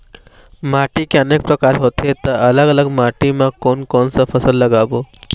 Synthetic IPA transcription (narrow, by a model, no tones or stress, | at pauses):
maːʈikeəneːk̚pɾəkaːɾɦot̪et̪aələɡələɡmaʈimãkɔːnkɔːnsafʰəsəlːəɡabo